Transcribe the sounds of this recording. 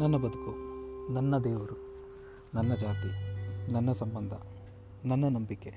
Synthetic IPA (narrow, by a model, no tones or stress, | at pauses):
nɐnːɐbɐd̪ukunɐnːɐd̪ɛːʋɐɾu | nɐnːɐd͡ʒaːt̪inɐnːɐsɐmbɐnd̪ʱɐ | nɐnːɐnɐmbikːe